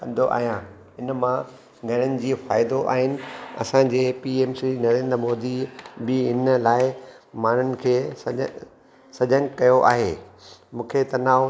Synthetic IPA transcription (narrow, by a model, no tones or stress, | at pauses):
kɐ̃nd̪ʱoʔa̰ːɦijã | ɪnmã | ɡʱɐɽ̤̃ənɪ̆d͡ʑiːfaːɪd̪oʔa̰ːɦɪnɪ̆ɐ̰sãd͡ʑeːpiːeːmsinɐɾẽːnd̪ɾəmoːd̪ibɪɪnlaːɪmaːn̤ʊnɪ̆kʰeːsɐ | sɐd͡ʑə̃ŋɡkɐjoʔa̰ːɦeːmũːkʰet̪ɐnaː